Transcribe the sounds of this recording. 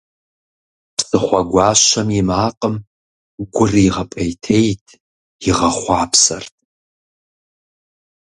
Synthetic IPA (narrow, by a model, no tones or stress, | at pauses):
psʼɨχʷɐɡʷɑːʃɐmɪmaːqʼəm | ɡʷʊriːʁɐpʼejtʰejtʰ | jɪʁɐχʷɑːpsɐrtʰʼ